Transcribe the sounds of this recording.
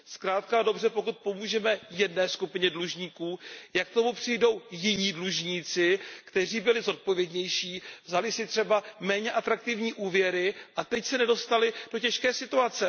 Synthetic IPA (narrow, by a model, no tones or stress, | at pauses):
skɾaːt̪̚kado̞br̝ɛpo̞kut̪̚po̞muːʒɛmɛjɛdnɛːskupɪɲɛdluʒɲiːkuːjak̚t̪o̞mupr̝̥ɪjdo̞wjɪɲiːdluʒɲiːt͡sɪkt̪ɛr̝iːbɪlɪzo̞t̪̚po̞vjɛdɲɛjʃiːvzalɪsɪt̪r̝̥ɛbamɛːɲɛʔat̪ɾak̚t̪ɪvɲiːʔuːvjɛɾɪʔat̪ɛcsɛnɛdo̞st̪alɪd̥o̞cɛʃkɛːsɪt̪uat͡sɛ